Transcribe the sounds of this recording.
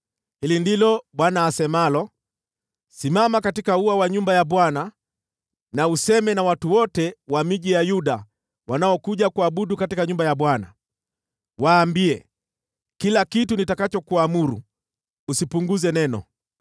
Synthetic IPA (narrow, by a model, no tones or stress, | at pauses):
hilindilɔɓwanaːsɛmalɔ | simamakatikauawaɲumbajaɓwana | nausɛmɛnawatuwɔtɛwamiʄijajuɗa | wanaɔkuʄakuaɓuɗukatikaɲumbajaɓwana̰ | waːmbiɛ̰ | kilakitunitakat͡ʃɔkuamuɾṵ | usipuŋɡuzɛnɛnɔ̰